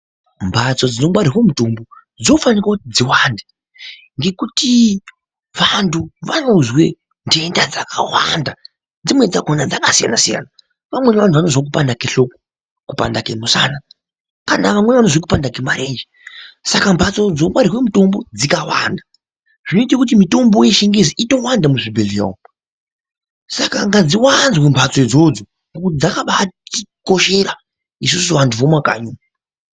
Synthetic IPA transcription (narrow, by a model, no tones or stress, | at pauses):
mbʱat͡so̞d͡zino̞mwaɾirwemutombo | d͡zio̞fanikwautid͡ziwande | ŋɡe̞kuti | ʋantʰuʋano̞zwe̞̰ | nde̞ndad͡zakʰawa̰nda | d͡zimwe̞d͡zakonad͡zakasija̰nasija̰ːna | ʋamwe̞neʋantʰuʋanozwak̬upandakeɬo̞ko̥ | kupa̰ndakemusana | kanaʋamwe̞nʋanozokupandakemaɾeːnd͡ʒi | sakampʰat͡sod͡zomwaɾikwemito̞mbo̞d͡zikawa̰nda | ʐ̥ino̞itkut̬imito̞mbo̞jeʃiŋɡeziʔito̞wandamuʐibʱelia̰ | sakaŋɡad͡ziwanzwempʰat͡soid͡zod͡zo | ŋɡokud͡zakaɓat͡ʃiko̞ʃe̞ɾa | is̬usuʋantʰuʋomwaka̰ːɲuma